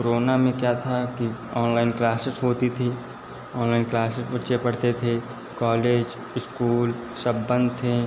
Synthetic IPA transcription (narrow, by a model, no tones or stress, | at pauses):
koɾoːnamẽkjat̪ʰakiɔːnlaːɪnklaːsɪsɦoːt̪it̪ʰi | ɔːnlaːɪnklaːsɪsbətːʃepɐɽt̪et̪ʰe | kɔːleːd͡ʒ | ɪskuːl | səbːə̃nd̪t̪ʰẽ